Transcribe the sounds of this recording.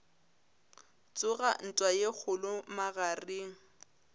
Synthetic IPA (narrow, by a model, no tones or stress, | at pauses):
t͡sʼʊɣa̰n̩tʼwajek͡xʰʊlʊmaɣarɪŋ̩